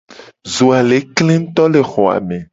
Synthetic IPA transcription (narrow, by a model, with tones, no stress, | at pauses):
zo˨a˨le˨˦klẽ˦n̩˦t̪ɔ˦le˨xɔ˨a̰˨mẽ˨